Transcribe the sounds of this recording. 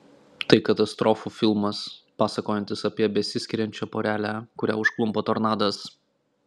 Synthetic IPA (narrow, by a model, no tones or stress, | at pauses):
t̪ɐɪkɐt̪ɐst̪ɾɔːfuːfʲɪlˠmɐspɑːsɐkoːjɛnʲt̪ʲɪsɐpʲiɛbʲɛsʲɪsʲkʲɪɾʲɛnʲt͡ʃʲɛpɔːɾʲæːlʲækʊɾʲæ̰ːʊʃklˠʊmpɐt̪oːɾnɑːd̪ɐs